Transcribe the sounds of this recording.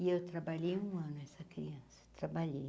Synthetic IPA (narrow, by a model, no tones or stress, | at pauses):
ɪewt̪ɾabaʎejũɐ̃nʊɛsɐkɾḭɐ̃sɐt̪ɾabaʎej